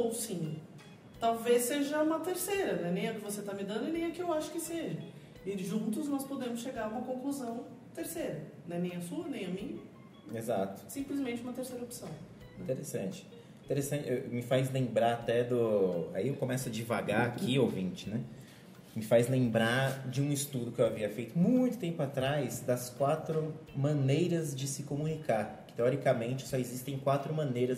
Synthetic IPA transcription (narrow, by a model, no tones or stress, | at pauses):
owsĩɲ | t̪awvesːeʒɐũmɐt̪eɾsejɾɐnɛ̃nẽj̃ɐkɪvoset̪amɪd̪ɐ̃nd̪ʊɪnẽj̃ɐkɪewaʃʊ̥kɪseʒɐ | ɪʒũt̪ʊznɔspod̪ẽmʊsʃeɡaɾũmɐkõkluzɐ̃w̃t̪eɾsejɾɐ | nɛ̃nẽj̃ɐsuɐnẽj̃ɐmĩɲɐ | ezat̪ʊ̥sĩmplɪzmẽt͡ʃɪũmɐt̪eɾsejɾɐopsɐ̃w̃ | ĩt̪eɾesɐ̃t͡ʃɪ̥ | ĩt̪eɾesɐ̃nt͡ʃɪemɪfajzlẽmbɾaɾat̪ɛd̪ʊa̰iewkõmɛsʊɐd͡ʒivaɡaakʰiowvĩnt͡ʃɪ̥nɛ | mɪfajzlẽmbɾad͡ʒɪũɪst̪ud̪ʊkɪewaviɐfejt̪ʊmũj̃t̪ʊt̪ẽmpʊat̪ɾajzd̪ɐskwat̪ɾʊmɐ̃nejɾɐzd͡ʒɪsɪkomũnikaɾkɪ̥t̪eɔɾikɐmẽnt͡ʃɪ̥sɔezist̪ẽj̃kwat̪ɾʊmɐ̃nejɾɐz